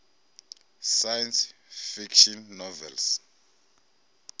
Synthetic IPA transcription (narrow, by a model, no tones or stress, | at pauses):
sajɛnsfikʃɔnːɔvɛ̰ls